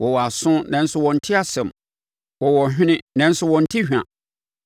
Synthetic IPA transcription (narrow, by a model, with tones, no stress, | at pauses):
wɔ˨wɔ˨a˨sʊ̃˦nɛ̃˨n̩˦sʊ˦wɔ̃˨n̩˨tʰɪ˦a˨sɛ̃˨m | wɔ˨wɔ˨ɦᶣɪ̃˦nɪ̃˦nɛ̃˨n̩˦sʊ˦wɔ̃˨n̩˦tʰi˦hᶣã̰˨